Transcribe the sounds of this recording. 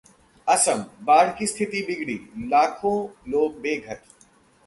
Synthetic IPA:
ɐsəmbaːɽ̤kist̪ʰɪt̪ibɪɡɽḭːlaːkʰõloːɡ̚beːɡʱət̪

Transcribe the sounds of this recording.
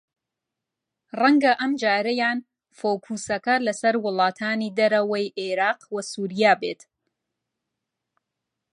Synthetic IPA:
rɐŋɡɐʔɐmd͡ʒaːɾɐjaːn | foːkʰuːsɐkɐlɐsɐɾwʊlˠɑːt̪ʰaːniːd̪ɐɾɐwɐjʔeɾaːqwɐsuːɾijaːbeːt̪

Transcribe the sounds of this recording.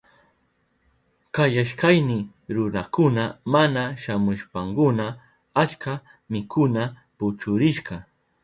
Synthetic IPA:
kajaʃkajnɪ | ɾʊnakʊnamanaʃamʊʃpaŋkʊna | at͡ʃka | mɪkʰʊna | pʊt͡ʃʊɾɪʃɢɑ

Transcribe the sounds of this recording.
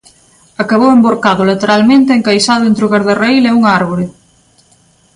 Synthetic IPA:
akaβowemboɾkaðʊlet̪eɾalmẽnt̪eeŋkajsaðʊẽnt̪ɾʊɣaɾðerejleuŋaɾβoɾɪ

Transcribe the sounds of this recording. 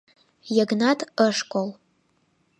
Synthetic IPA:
jaɡnatʰʼəʂkʷʼol

